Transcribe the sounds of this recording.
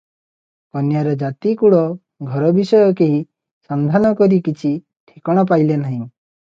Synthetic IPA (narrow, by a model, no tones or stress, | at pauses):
kɔnjaɾɔd͡ʒat̪ikuɭɔ | ɡʱɔɾɔbisɔjɔkeɦi | sand̪ʱanɔkɔɾikit͡ʃʰi | ʈʰikɔɽ̃ɔp̬ajlenaɦĩ